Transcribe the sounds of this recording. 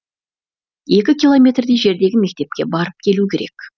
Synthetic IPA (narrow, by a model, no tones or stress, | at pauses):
e̞kʲɪkʲilˠo̞mʲe̞t̪rd̪eʒe̞ɾd̪e̞ɡʲɪme̞k̚t̪e̞p̚kʲe̞bɑɾəp̚kʲʰe̞lukʲʰe̞ɾe̞̰kʲ